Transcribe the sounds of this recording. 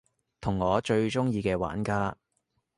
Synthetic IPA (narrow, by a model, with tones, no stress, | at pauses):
t̪ʰʊ˨˩ŋːɔː˨˧t͡ʃɵ˧ɥt͡ʃʊ˥ŋjiː˧kɛː˧wa̰ː˨˥nkaː˥